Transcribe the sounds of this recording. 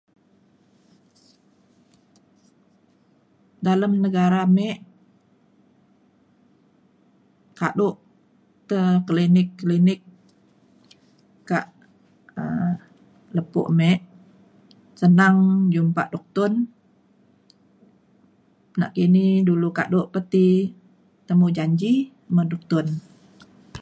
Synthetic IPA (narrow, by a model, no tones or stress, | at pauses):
daləmnəɡaɾamɛʔ | kaʔdʊʔ | t̪əklinɪkːlinɪk | aʔ | ə | ləpʊ̰ʔmɛʔ | sənaŋd͡ʒumpaʔdɔk̚t̪ʊn | na̰ʔkiniduluka̰ʔdʊʔpət̪i | t̪əmud͡ʒaɲd͡ʒi | mədɔk̚t̪ʊn